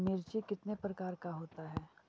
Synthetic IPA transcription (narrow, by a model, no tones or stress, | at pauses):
mɪɾt͡ʃikɪt̪nepɾɐkaːɾkaɦoːt̪aɦɛː